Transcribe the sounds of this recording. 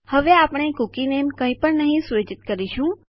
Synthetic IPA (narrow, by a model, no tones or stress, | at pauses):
həʋeapɽ̃ekukinemkə̃ĩpəɳnəɦĩsʋed͡ʒɪt̪kəɾiʃũ